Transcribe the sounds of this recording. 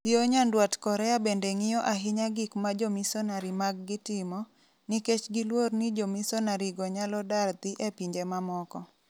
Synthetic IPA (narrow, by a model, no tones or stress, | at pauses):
ioɲandwatkɔɾɛabendeŋɪjɔʔaɦɪɲaɡɪkmad͡ʒomisɔnaɾimaɡ̚ːɪtɪmɔ | niket͡ʃɡilwornid͡ʒomisɔnaɾiɡɔɲalɔdart̪iʔepiɲd͡ʒemamɔkɔ